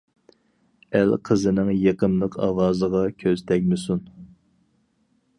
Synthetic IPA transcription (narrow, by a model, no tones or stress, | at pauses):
ælqʰəzɨnɨŋjeqənlˠəqʰɑ̰wɑːzəʁɑkʲʰøzt̪ʰɛkʲmɪsun